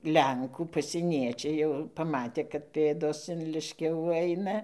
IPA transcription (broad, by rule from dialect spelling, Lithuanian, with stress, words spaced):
ˈlʲɛŋkuː pɐsʲiɛˈnʲiɛt͡ʃʲɛɪ jɛʊ pɐˈmɑːtʲeː kɐt ˈpʲeːdoːs ɪn ˈlʲɪʃʲkʲɛʋuː ˈɐɪnɐ